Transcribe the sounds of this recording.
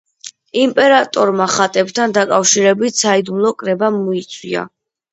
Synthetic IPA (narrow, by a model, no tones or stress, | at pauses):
impʼɛɾat̪ʼɔɾmaχat̪ʼɛb̚t̪ʰand̪akʼafʃiɾɛbit̪ʰsaid̪umlˠɔkʼɾɛbamɔit̪sʰwḭa̰